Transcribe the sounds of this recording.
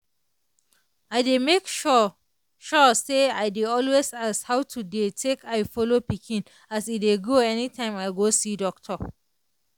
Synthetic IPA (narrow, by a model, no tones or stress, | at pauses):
aɪdemek | ʃɔseaɪdeɔlwesashawtʰudetʰekʰaɪfɔlopikʰĩn | asitdeɡoɛnitʰãɪ̃maɪɡosidɔk̚tʰɔ